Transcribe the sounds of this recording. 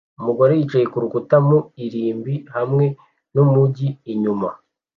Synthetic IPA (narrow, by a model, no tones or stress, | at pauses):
umuɡoɾejit͡ʃajekuɾukutamuiɾiːmbihamŋe̞ | nomuɟiiɲuma